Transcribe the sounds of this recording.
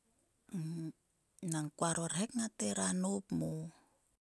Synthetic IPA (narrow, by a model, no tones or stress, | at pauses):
naŋkuaɾoɾhekŋateɾanopmo